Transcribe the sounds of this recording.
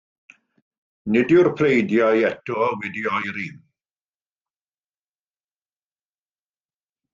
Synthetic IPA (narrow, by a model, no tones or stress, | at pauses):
nɪdɪwrpʰrejdjajɛtʰɔɔwɛdiɔjɾim